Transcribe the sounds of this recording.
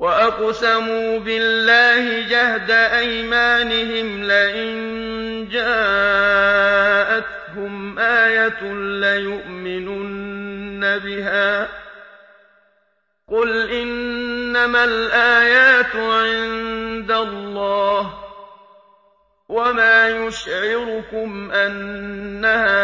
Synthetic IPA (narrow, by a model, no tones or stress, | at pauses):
waʔɑqsamuːbɪlːaːhɪd͡ʒahd̪aʔajmaːnɪɦɪmlaʔɪn | d͡ʒaː | ʔat̪hʊmʔaːjat̪lajʊʔmɪnuːnabɪɦaː | qʊlʔɪnːamalʔaːjaːt̪ʕɪnd̪alːɑːh | wamaːjʊʃʕɪɾʊkʊmʔanːahaː